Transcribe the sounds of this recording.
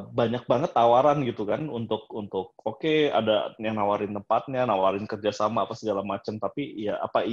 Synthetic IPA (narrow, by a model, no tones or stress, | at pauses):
baɲak̚baŋət̪ːawaɾanɡit̪ukanunt̪ʊk̚unt̪ʊk̚okea̰dajaŋnawaɾɪnt̪əmpat̪̚ɲanawaɾɪnkərd͡ʒasamaːpasəɡalamat͡ʃəmt̪apijaʔa̰pa